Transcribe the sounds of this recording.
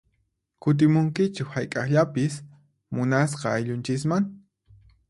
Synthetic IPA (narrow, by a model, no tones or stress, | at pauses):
kʊt̪̬ɪmʊŋkɪt͡ʃɪkhajkʼɑχʎapɪs | mʊnasqɑːjʎʊnt͡ʃɪs̬maŋ